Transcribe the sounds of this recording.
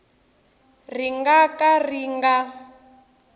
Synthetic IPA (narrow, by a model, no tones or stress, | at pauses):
riŋɡakariŋɡa